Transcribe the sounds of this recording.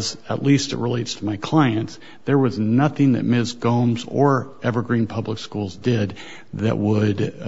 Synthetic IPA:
zəʔˡlistɨ̰ʔ̚ɹileɪtstʰəmaɪkʰl̥aɪɨ̃nt | ðə˞wʌznʌθɪ̃ŋðɨ̰t̚mɪsɡ̥õʊ̃mzə˞ʔɛvə˞ɡɹĩnpʰʌbləkskulˠzdɪd̪̚ | ðɨ̰ʔwəd

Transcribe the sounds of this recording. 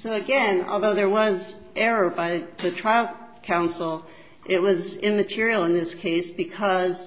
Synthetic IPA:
soʊɨɡɛ̃nɔ̰lˠðoʊðə˞wʌz | ʔɛɹə˞baɪðɨtʰɹ̥aɪl̩ˠ | kʰãʊ̃nsl̩ˠ | ʔɪt̚wʌzɪ̃nmɨtʰɪɹil̩ˠə̃nðɪskʰeɪsb̥ɨkʰʌz̥

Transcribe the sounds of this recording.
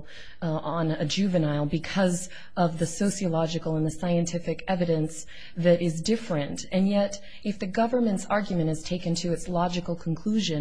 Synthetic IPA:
ə̃nɨd͡ʒʉvɨnaɪlˠbɨkʰʌz | ʌvðɨsoʊsiəlɑd͡ʒɨkl̩ˠə̃nðɨsaɪɨ̃ntʰɪfɨkɛvɨɾɨ̃ns | ðɨɾɪzdɪfɹɨ̃ntɨ̃njɛɾ | ɨfðɨɡʌvə˞mɨ̃ntsɑɹɡjmɨ̃ɾ̃ɨz̥tʰeɪkɨ̃ntʰɨɨtslɑd͡ʒɨkl̩ˠkʰn̩kʰl̥ʉʒɨ̃

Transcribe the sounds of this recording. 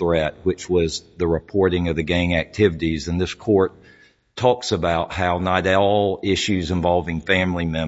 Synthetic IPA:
ɹɛt̚wɨt͡ʃwʌzðɨɹɨpʰɔɹɾɪ̃ŋʌvðɨɡẽɪ̃ŋæk̚tʰɪvɨɾizɨ̃nðɪskʰɔɹtʰ | ɔksɨbaʊt̚haʊnaɪɾɔlˠɪʃʉzɨ̃ɱvɑlˠvɪ̃ŋfæ̃mlimɛ̃

